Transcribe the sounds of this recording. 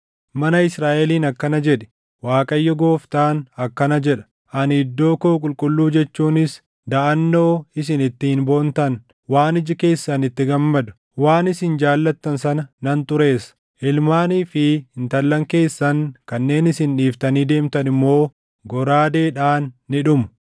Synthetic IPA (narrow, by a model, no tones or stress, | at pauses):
mɐnɐɪsɾaːʔɛliːnɐkːɐnɐd͡ʒɛᶑɛ̥ | waːkʼɐjːɔɡo̞ːft̪aːnɐkːɐnɐd͡ʒɛᶑɐ̥ | ʔɐnɪd̪ːo̞ːkoːkʼʊlkʼʊlːuːd͡ʒɛt͡ʃːuːnɪs | d̪ɐʔɐnːo̞ːɪs̬ɪnɪt̪ːɪhɪnboːnt̪ɐn | waːnɪd͡ʒɪke̞ːsːɐnɪt̪ːɪɡɐmːɐd̪ʊ̥ | waːnɪsɪnd͡ʒaːlːɐt̪ːɐnsɐnɐnɐnt̪ʊɾe̞ːs | ʔɪlmaːniːfɪhɪnt̪ɐlːɐŋke̞ːsːɐŋkɐnːe̞ːnɪsɪnᶑiːft̪ɐniːd̪e̞ːmt̪ɐnɪmːo̞ː | ɡɔɾaːd̪eːᶑaːnːɪᶑʊmʊ̥